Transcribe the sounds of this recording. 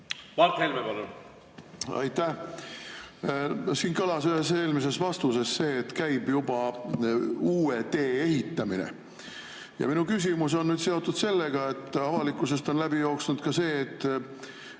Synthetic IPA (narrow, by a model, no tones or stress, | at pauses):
mɑɾt̪helmepɑlun | ɑ̰jt̪ːæh | siːnkɤlɑsyɦe̞se̞ːlmise̞svɑst̪use̞sːe̞ːt̪kæjb̥jub̥ɑ | uːet̪e̞ːeɦit̪ːɑminḛ | jɑ̰minukys̬ʲimus̬o̞nːyːd̪̥se̞o̞t̪ːˑud̪̥se̞lːe̞ɡ̥ɑe̞t̪ːˑɑvɑlikːˑuse̞st̪o̞nlæb̥ijo̞ːksnud̪̥kɑse̞ːt̪ːˑ